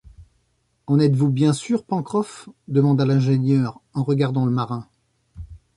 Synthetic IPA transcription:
ɑ̃nɛt̪vubjɛ̃syʁpɑ̃kχɔfd̪əmɑ̃d̪alɛ̃ʒeɲœʁɑ̃ʁəɡaʁd̪ɑ̃ləmaʁɛ̃

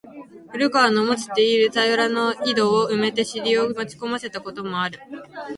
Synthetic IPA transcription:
ɸɯ̟ɾɯ̟ɡaːnomot͡sɨ̥t̪e̞iɾɯ̟t͡sajɾano̞id̪o̞ːɯ̟me̞t̪e̞ɕiɾʲiomot͡ɕi̥ko̞mase̞t̪ako̞t̪o̞mo̞aɾɯ̟

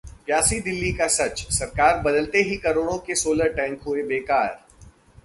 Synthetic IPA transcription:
pjaːsid̪ɪlːikasɐt͡ʃsɐɾkaːɾbɐd̪əlt̪eɦikɐɾoːɽ̃õkesoːləɾʈɛ̃ːŋkɦʊebeːkaːɾ

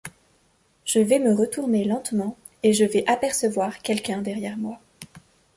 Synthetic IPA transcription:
ʒ̥əvɛməʁət̪uʁnelɑ̃t̪mɑ̃ | eʒəvɛʔapɛʁsəvwaʁkʲɛlkʲɛ̃d̪ɛʁjɛʁmwa

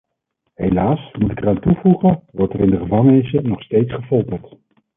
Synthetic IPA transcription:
ɦejlaːsmutɪkɛraːntuvuχənʋɔɹtərɪndəχəvɑŋənɪsənɔχstejtsχəfɔlˠtəɹt

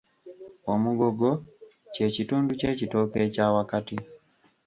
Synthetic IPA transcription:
omuɡoɡo | cecituːnducecitokecawakati

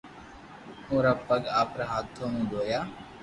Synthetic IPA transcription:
ũːɾaːpəɠaːpɾaːɦaːt̪ʰːoːnũːɗ̪oːjaː

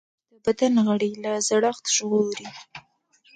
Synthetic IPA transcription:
d̪̥əbad̪anɣaɽilazaɽaxt̪ʒɣoɾi

